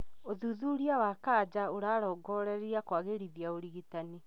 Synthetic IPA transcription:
oðuðuɾiawaːkaːd͡ʑaoɾaːɾɔːɡɔɾɛɾiɾiakwaɣeɾiðiaoɾiɣitani

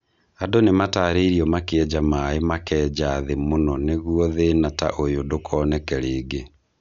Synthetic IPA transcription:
adonemataːɾeɾiɔmakeɛd͡ʒamaemakɛːd͡ʑaːðemonɔneɣuɔðenata̰ʔojodokʰɔnɛkɛɾeːɡe

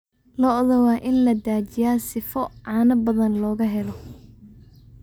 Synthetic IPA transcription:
lɔðɔwɑːʔɪnlɐd̪aːt͡ʃɪjaːsɪfɔʕɑːnɐbɐðɐnlɔːɣɐɦɛlɔ

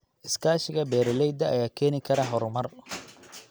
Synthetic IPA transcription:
ʔɪskʰaːʃɪɣɐbɛːɾɔlɛjd̪ɐʔɐjaːkʰɛːnɪkʰɐɾɐɦɔɾʊmɐr

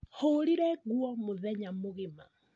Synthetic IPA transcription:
hoɾiɾɛɣwɔmoðɛɲamoɣema̰

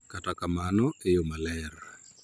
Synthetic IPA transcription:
katakamanɔejomalɛɾa

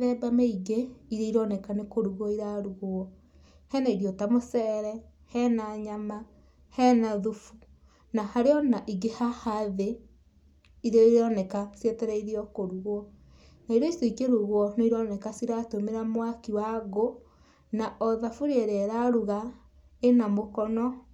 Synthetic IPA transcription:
ðɛbameiɡeiɾeiɾɔnɛkanekoɾuɣɔiɾaɾuɣoɔ | hɛnaiɾiɔtamosɛɾɛ | hɛnaɲama | hɛnaðufu̥ | nahaɾeɔnaʔiɡehahaðe | iɾiɾɔnɛkasjɛtɛɾɛiɾiɔkoɾuɣwɔ | naiɾɔisoikeɾuɣwɔnoiɾɔnɛkasiɾatomeɾamwakiwaɣo | naʔɔðafuɾeɾɛɾaɾuɣa | enamokɔnɔ

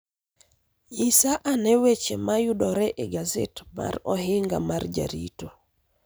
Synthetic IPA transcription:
jisaʔanɛwet͡ʃɛmajudɔɾɛʔɛɡazḛtma̰ɾɔɦiŋɡa̰maɾd͡ʒa̰ɾḭto

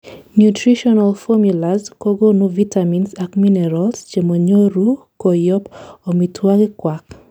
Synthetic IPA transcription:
njutɾiʃɔnalfɔmjulazkoɡonuvitaminsakminɛɾɔlst͡ʃemoɲoɾu | kojɔpomitʰwaɡɪkwak

